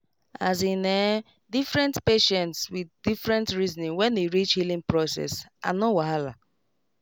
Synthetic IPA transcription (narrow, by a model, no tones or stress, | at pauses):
a̰zinɛ | difɾɛ̃ntpeʃɛ̃ntswiðdifɹɛ̃ntɹiznĩŋwɛ̃ndeɹit͡ʃhilĩŋpɹɔsɛ̰sa̰nowaɦala̰